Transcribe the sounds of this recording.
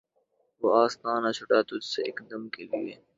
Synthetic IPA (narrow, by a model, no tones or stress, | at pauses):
ʋoaːst̪aːnaːt͡ʃʰʊʈat̪ʊd͡ʒseɪkd̪ɐmkelieː